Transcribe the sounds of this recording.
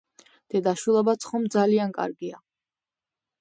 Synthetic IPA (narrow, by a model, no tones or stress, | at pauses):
d̪̥ɛd̪aʃwilˠɔbat̪sʰχɔmd̪zaliankʼa̰ɾɡia